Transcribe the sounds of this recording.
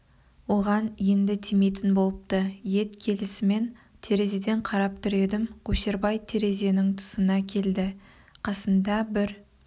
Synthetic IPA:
wo̞ʁɑnje̞nd̪ɪt̪ʰime̞t̪ɪnbo̞lˠəp̚t̪əje̞t̪kʲʰe̞lɪsɪme̞n | t̪ʰe̞ɾe̞zed̪e̞ɴqʰɑɾɑp̚t̪ʰʊɾe̞d̪ɪmɡʰɵʃe̞ɾbɑjt̪ʰe̞ɾe̞ze̞nɪŋt̪ʰʊ̥sənɑkʲʰe̞ld̪ɪ | qʰɑsənd̪ɑbɪɾ

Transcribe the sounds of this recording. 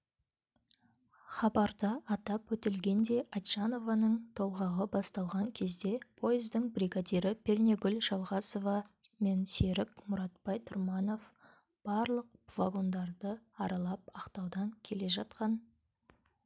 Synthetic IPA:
χɑbɑɾd̪ɑːt̪ɑpwɵt̪ɪlɡʲe̞nd̪e̞ʔat̪ʒano̞vɑnəɴt̪ʰo̞lˠʁɑʁəbɑst̪ɑlˠʁɑŋkʲʰe̞zd̪e̞pʰo̞jɪzd̪ɪŋbriɡad̪iɾɪpʰʲe̞rneɡʲʏlʒɑlˠʁɑso̞vɑ | me̞nse̞ɾɪkmʊɾɑt̪̚pɑjt̪ʰʊɾmɑno̞f | b̥ɑɾlˠəq̚vaɡo̞nd̪ɑɾd̪əɑɾɑlˠɑp̚ɑqt̪ɑwd̪ɑŋkʲʰele̞ʒɑt̪qɑn

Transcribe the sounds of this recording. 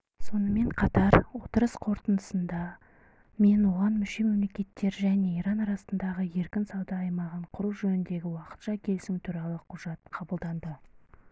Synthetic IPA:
so̞nəme̞ɴqʰɑt̪ɑɾwo̞t̪əɾəsqʰo̞ɾt̪ənd̪əsənd̪ɑ | me̞nwo̞ʁɑnmʏʃe̞me̞mle̞kʲe̞t̪ːe̞ɾʒæne̞iɾɑnɑɾɑsənd̪ɑʁəje̞ɾkʲɪnsɑwd̪ɑːjmɑʁəɴqʰʊɾuʒɵnɪnd̪e̞ɡʲɪwɑqə̥t̪ʃɑkʲʰe̞lsɪmt̪ʰuɾɑlˠəqʰʊʒ̥ɑt̪̚qʰɑbəlˠd̪ɑnd̪ə

